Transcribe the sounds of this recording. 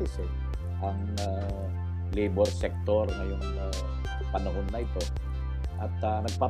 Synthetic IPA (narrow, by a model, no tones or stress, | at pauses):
ɪsɛ | ʔɐŋ | a | liːbɛɾsɛk̚t̪oɾŋɐjʊŋ | a | pɐnɐhonːɐʔɪt̪o̞ | ʔɐt̪̚anɐɡ̚pa